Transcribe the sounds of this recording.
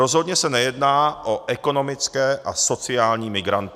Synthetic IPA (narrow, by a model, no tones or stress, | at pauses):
ɾozɦo̞d̪ɲɛsɛnɛjɛdnaːʔoʔɛko̞no̞mɪt͡skɛːʔaso̞t͡sɪaːlɲiːmɪɡɾant̪